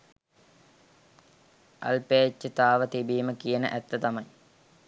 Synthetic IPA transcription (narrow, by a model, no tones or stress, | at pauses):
ɐ̰lpeːet͡ʃːət̪aːʋət̪ibiːməkijənə̰ʔæt̪ːət̪ɐmɐji